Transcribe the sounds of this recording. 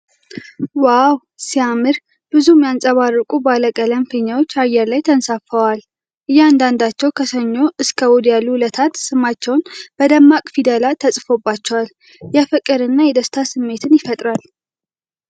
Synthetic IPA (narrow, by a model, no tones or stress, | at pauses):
waw | siamːɨɾ | b̥ɨzumjansʼəβarːɨkʼubaləkʼələmfəɲːawo̞t͡ʃːajːɛɾlajt̪ʰənsafəwal | ʔɨjːɛand̪and̪at͡ʃːɛwkʰəsəɲːo̞ʔɨskʰʼəwɔd̪jalːulət̪ʰat̪sɨmat͡ʃːɛwnb̥əd̪əmːakʼfid̪əlat̪ʰəsʼfo̞bːat͡ʃːɛwal | jɛfɨkʼːɨɾɨnːajɛd̪əst̪ʰasɨmːe̞t̪ʰɨnjɪfət̪ʼɾal